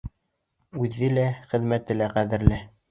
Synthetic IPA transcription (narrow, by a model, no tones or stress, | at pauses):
ʉðːɘlæχɘ̆ðmæt̪ɘ̆læqæðɘ̆ɾlɘ